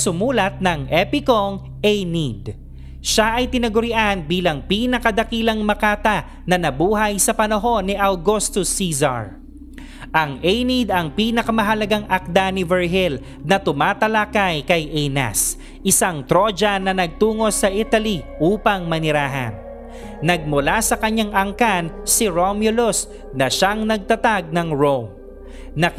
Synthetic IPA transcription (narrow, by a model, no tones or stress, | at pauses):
sʊmuːlɐt̪̚nɐŋʔɛpɪkoŋ | ʔɛjnid̪ | ʃaʔɐjt̪ɪnɐɡʊɾɪʔanbiːlɐŋpiːnɐkɐd̪ɐkiːlɐŋmɐkaːt̪ɐ | nɐnɐbuːɦɐjsɐpɐnɐɦo̞nːɪʔɐwɡost̪ʊsizɐ̰ɹ | ʔɐŋʔɛjnid̪ɐŋpiːnɐkɐmɐɦɐlɐɡaŋʔɐk̚d̪aːnɪvɛɹɦɪl | nɐt̪ʊmaːt̪ɐlakajkɐjʔɛjnɐ̰s | ʔɪsaŋt̪ɾo̞d͡ʒɐnɐnɐɡ̚t̪uːŋo̞sɐʔit̪ɐliʔuːpɐŋmɐnɪɾaːɦɐ̰nː | ɐɡ̚mʊlasɐkɐɲaŋʔɐŋkansɪɾomjolos | nɐʃaŋnɐɡ̚t̪ɐt̪aɡ̚nɐŋɹom | nɐ